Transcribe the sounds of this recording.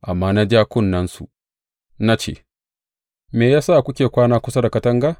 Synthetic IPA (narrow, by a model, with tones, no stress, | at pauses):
ʔa˨mːaː˦na˦d͡ʒaː˦kʷʊ˦˨nːɐ˦nsṵ˨ | na˦t͡ʃḛː˦˨ | meː˨jaː˦saː˦˨kʷʊ˦kʲeː˨kʷaː˦naː˦kʷʊ˦sa˦da˨kɐ˦tɐ˦ŋɡa˦